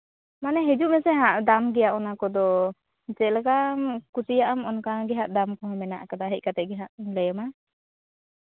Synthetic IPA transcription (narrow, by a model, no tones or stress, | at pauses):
manɛɦɛd͡ʒuʔmɛsɛɦãʔd̪amɡɛjaʔɔnakɔd̪ɔ | t͡ʃɛʔlɛkamkusijaʔamɔnkaɡɛɦaʔd̪amkɔɦɔ̃mɛna̰ʔkad̪aɦɛc̚kat̪ɛʔ̚ɡɛɦaʔnlɛjɔma